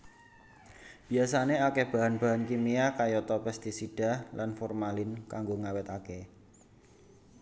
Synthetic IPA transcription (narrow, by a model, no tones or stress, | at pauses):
b̥i̤asaneakeb̥a̤ɦanb̥a̤ɦankimiakajɔt̪ɔpɛst̪isid̥a̤hlʔanfɔrmalɪnkaŋɡoŋawɛt̪ake